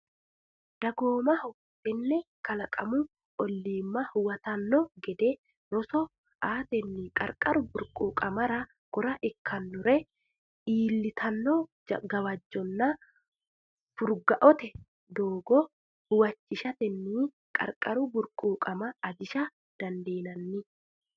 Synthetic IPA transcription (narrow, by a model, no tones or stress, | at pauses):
d̪̥ɐɡo̞ːmɐhɔ | t̪ʼɛnːɛkɐlɐkʼɐmʊ | ɔlːiːmːɐhʊwɐt̪ɐnːɔɡɛd̪ɛ | ɾɔsɔ | aːt̪ɛnːikʼɐ̰ɾkʼɐɾʊbʊɾkʼuːkʼɐmɐɾɐ | ɡ̥ɔɾɐʔɛkʰːɐnːʊɾɛ | iːlːɪt̪ʰɐnːɔ | ɡɐwɐd͡ʒːɔnːɐ | fʊɾɡɐʔɔt̪ɛ | d̪oːɡɔ | hʊwɐt͡ʃːɪʃɐt̪ɛnːiː | kʼɐ̰ɾkʼɐɾʊbʊɾkʼuːkʼɐmɐːd͡ʒ̪ɪʃɐ | d̪̥ɐnd̪e̞ːnɐnːɪ